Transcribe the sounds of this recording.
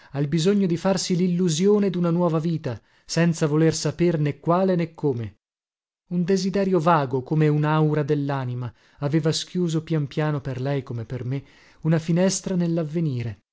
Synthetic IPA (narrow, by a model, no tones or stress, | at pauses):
albizoɲːod̪ifarsililːuzjoːned̪unanwɔːvaviːt̪a | sɛnt̪savolersapernekːwaːlenekːoːme | und̪ezid̪ɛːɾjovaːɡokomeunawɾad̪elːaːnima | aveːvaskjuːzopjampjaːnoperlɛjkomepːerme | unafinɛst̪ɾanelːavːeniːɾe